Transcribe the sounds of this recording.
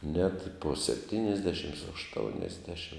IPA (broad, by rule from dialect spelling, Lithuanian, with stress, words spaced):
nʲɛt poː sʲɛpʲˈtʲiːnʲɪzʲdʲɛʃʲɪm ɐʃˈtoːʊnʲɛzʲdʲɛʃʲɪm